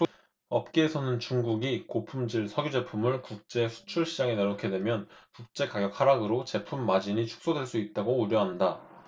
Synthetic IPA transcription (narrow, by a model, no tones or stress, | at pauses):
ʌp̚k͈eːsʰʌnɯnt͡ɕuŋɡuɡikopʰumd͡ʑiɭsʰʌɡjud͡ʑe̞pʰumɯɭkuk̚t͡ɕ͈e̞sʰu̥t͡ɕʰuɭɕʰid͡ʑaŋeneɾʌkʰe̞dwe̞mjʌnkuk̚t͡ɕ͈e̞kaɡjʌk̚hʰaɾaɡɯɾot͡ɕe̞pʰumːad͡ʑiɲit͡ɕʰu̥k̚s͈odwe̞ɭs͈uit̚t͈aɡouɾjʌɦanda